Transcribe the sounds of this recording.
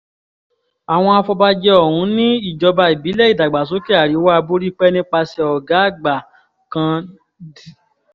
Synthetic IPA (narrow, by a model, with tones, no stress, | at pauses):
a˨w̃ɔ̃˧a˧fɔ˧ba˧d͡ʒɛ˧ɔ˦˨hũ˨˦nĩ˦i˦˨d͡ʒɔ˧ba˧i˨bi˨˦lɛ˦i˨da˨ɡ͡ba˨s̬o˨˦ke˦a˦˨ɾi˨˦wa˦a˧bo˦ɾi˦k͡pɛ˦nĩ˦k͡pa˧sɛ˧ɔ˨ɡa˨˦˨ɡ͡ba˨ | kã˧ | di˨